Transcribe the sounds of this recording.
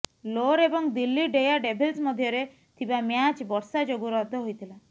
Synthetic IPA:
loɾebɔŋd̪ilːiɖejaɖebʱelsmɔd̪ʱjɔɾe | t̪ʰibamjat͡ʃbɔɾsad͡ʒoɡuɾɔt̪ɔɦojt̪ʰila

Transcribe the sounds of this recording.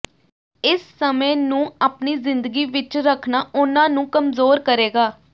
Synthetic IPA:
ɪsːəmẽːnũːaːpniːzɪnd̪əɡiːʋɪt͡ʃɾəkʰnaːʊnãːnũːkəmzoːɾkəɾeːɡaː

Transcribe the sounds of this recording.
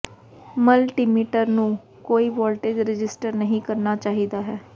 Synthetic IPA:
məlʈimiːʈəɾnũː | koːiːʋɔːlʈeːd͡ʒɾɪd͡ʒɪsʈəɾnəɦĩːkəɾnaːt͡ʃaːɦid̪aːɦɛː

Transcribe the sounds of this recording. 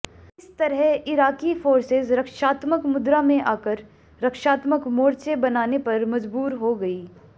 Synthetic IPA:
ɪst̪ɐɾɦɛɪɾaːkifoːɾsɪzɾɐkʃaːt̪məkmʊd̪ɾamẽʔaːkəɾ | ɾɐkʃaːt̪məkmoːɾt͡ʃebɐnaːnepɐɾmɐd͡ʒbuːɾɦoɡɐiː

